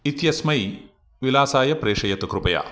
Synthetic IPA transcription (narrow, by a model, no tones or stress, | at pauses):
it̪jɐsmɐj | ʋilaːsaːjɐpɾeːʂɐjɐt̪ukɾupɐja̰